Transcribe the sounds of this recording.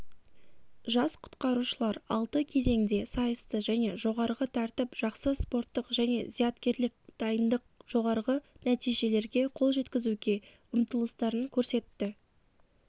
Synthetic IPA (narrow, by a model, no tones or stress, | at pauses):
ʒɑsqʰʊ̥t̪qɑɾuʃəlˠɑɾɑ̰lˠt̪əkʲʰe̞ze̞ŋd̪e̞sɑjəst̪əʒæne̞ʒo̞ʁɑɾʁət̪ʰɑɾt̪ɪpʒ̥ɑqsəspo̞rt̪ːəqʒæne̞̰zijɑt̪kʲe̞ɾlɪk̚d̪̥ɑjənd̪əq̚ʒ̥o̞ʁɑɾʁənæt̪ijʒe̞le̞ɾɡʲe̞qʰo̞lˠʒe̞t̪kʲɪzuɡʲe̞ | ʊmt̪əlˠəst̪ɑɾəŋkʲʰɵɾse̞t̪ːɪ